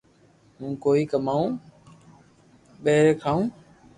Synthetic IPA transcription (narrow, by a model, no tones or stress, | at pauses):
mũːkoːiːkəmaːũː | ɓeɦɾeːkʰaːũː